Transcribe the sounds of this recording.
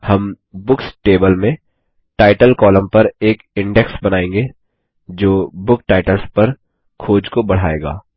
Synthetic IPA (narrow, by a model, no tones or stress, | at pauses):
hɐm | bʊksʈeːbəlmẽ | ʈaːɪʈəlkɔːlə̃mpɐɾeːkɪ̃ɳɖɛksbɐnaːẽːŋɡeː | d͡ʒoːbʊkʈaːɪʈəlspɐɾ | kʰoːd͡ʒkobɐɽ̤aːḛːɡa̰ː